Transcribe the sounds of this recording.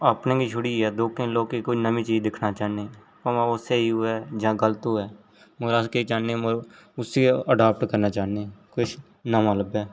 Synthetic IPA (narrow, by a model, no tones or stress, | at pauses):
əpnẽːkiːʃʰʊɽiːɛːd̪oːkẽloːɡkikʊt͡ʃnəmĩːt͡ʃiːzd̪ɪkʰnaːt͡ʃaːɦne | pəmãːoseiɛːd͡ʒãːɡələt̪oɦɛː | moɾaːskeit͡ʃaːnemoʊsiəɖaːp̚ʈkəɾnaːt͡ʃaːnekʊt͡ʃʰ | namaləbɛː